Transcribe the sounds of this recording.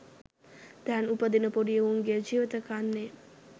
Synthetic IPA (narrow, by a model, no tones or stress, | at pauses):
d̪æːnupəd̪inəpoɖijəʋuŋɡejəd͡ʒiːʋit̪əkaːnːe